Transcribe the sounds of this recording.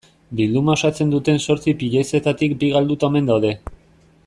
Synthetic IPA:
bild̪umao̞sat͡se̞nd̪ut̪e̞nso̞ɾt͡sipiʎese̞t̪at̪ikbiɣald̪ut̪aome̞nd̪awðe̞

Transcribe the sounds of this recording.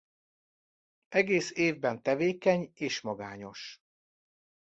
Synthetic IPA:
ʔɛɡeːseːvbɛnt̪ɛveːkɛɲeːʃmɒɡaːɲo̞ʃ

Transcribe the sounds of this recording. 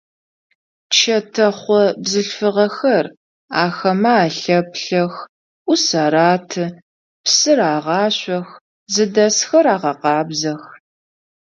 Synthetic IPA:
t͡ʃʰɐtʰɐχʷɔbzɨɬfɨʁɐxɐr | aːxɐmɐaːɬɐpɬɐx | ʔʷʊsɐɾaːtʰɨ | psɨraːʁɑːɕʷɔx | zɨdɐsxɐraːʁɐqɑːbzɐx

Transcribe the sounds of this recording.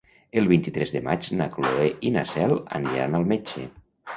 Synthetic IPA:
elˠβint̪it̪ɾɛzðema̰t͡ʃnakloeʔinasɛla̰niɾa̰nalˠmet͡ʃḛ

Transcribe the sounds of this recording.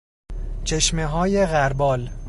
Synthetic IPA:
t͡ʃʰe̞ʃmeɦɒːje̞ɣæɾbɒːl

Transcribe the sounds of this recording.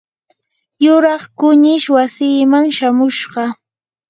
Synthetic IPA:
jʊɾɑχkʊɲɪʃwasiːmaŋʃamʊʃɢɑ

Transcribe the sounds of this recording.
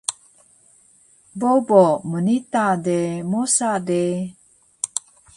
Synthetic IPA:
bobomənitademusade

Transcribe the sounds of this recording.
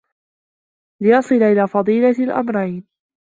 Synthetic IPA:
lɪjɑsˤɨlaʔɪlaːfɑd̪ˤiːlalʔa̰mɾˤajn

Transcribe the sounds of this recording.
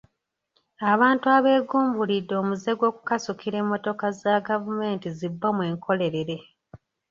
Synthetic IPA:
aβaːntuaβe̞ːɡuːmbulidːo̞ːmuze̞ɡwo̞ːkukasukiɾe̞ːmːo̞to̞kazaɡavume̞ːntizibːamwe̞ːŋkʰo̞le̞ɾe̞ɾe̞

